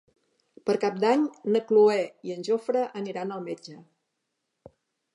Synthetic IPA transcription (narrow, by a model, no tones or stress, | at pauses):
pəɾkap̚d̪aɲnəkluɛiənʲʒofɾəʔəniɾanəlˠmed͡ʒə